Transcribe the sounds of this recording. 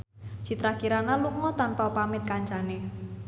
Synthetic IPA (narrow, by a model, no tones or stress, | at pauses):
t͡ʃit̪ɾakiɾanaluŋɔt̪anpawpamɪt̪̚kaɲt͡ʃane